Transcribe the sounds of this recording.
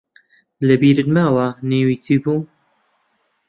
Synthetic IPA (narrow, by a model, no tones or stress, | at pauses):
lɐbiːɾɨd̪maːwanewiːsiːbuː